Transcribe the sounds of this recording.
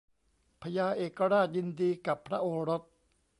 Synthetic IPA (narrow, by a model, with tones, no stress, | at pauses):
pʰa˧jaː˧ʔeː˨˩kːa˧ɾaː˥˩t̪̚ji˧ndiː˧ka˨˩pʰːɾa˦˥ʔoː˧ɾo˦˥t̪̚